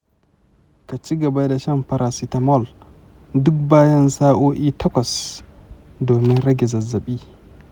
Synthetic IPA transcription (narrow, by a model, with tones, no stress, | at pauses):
ka˨t͡ʃi˦ɡɐ˨ba˦da˨ʃɐ˦mpɐ˦ɾʔa˨si˦tɐ˨mɔ˦˨l | dʊ˦k̚baː˦jɐ˦nsaː˦ʔoː˦ʔiː˦tʰɐ˦kʷɔ˨s | doː˨mɪ˦nɾɐ˦ɡʲɛ˨zɐ˨zːɐ˨ɓiː˦